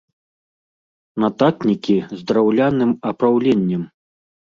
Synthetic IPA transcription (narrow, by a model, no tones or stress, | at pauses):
nat̪aknʲikʲizd̪ɾawlʲanɨmɐpɾawlʲɛnʲːɛm